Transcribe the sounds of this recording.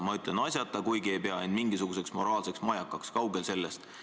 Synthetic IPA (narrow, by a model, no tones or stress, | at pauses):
mɑyt̪ˑlenɑsʲjɑt̪ːˑɑkujɡie̞jpe̞ɑend̪miŋɡisuɡ̥useksmo̞ɾɑːlse̞ksmɑjɑkːˑɑkskɑwɡ̥else̞lːest̪